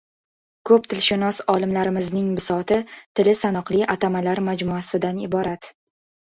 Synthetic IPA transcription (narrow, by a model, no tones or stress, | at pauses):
kʰɵp̚t̪ʰɪlʃɪnɒsɒlɪmlaɾɪmɪznɪŋbɪsɒt̪ʰɪt̪ʰɪlɪsanɒqlˠɪʔat̪ʰamalaɾmad͡ʒmuasɪd̪anɪbɒɾat̪